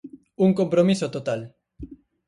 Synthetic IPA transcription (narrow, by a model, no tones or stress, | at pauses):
uŋkompɾomisot̪ot̪al